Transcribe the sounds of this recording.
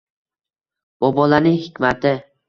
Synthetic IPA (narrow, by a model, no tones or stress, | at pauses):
b̥obɒlanɪŋhɪkʲmat̪ʰɪ